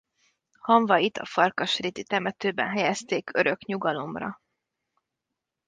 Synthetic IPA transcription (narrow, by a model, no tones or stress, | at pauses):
hɒɱvɒit̪ʰɒ̰fɒrkɒʃrit̪it̪ɛmɛt̪øːbɛ̰nɦɛjɛst̪eːkʰøɾø̞kɲuɡɒlo̞mrɒ̰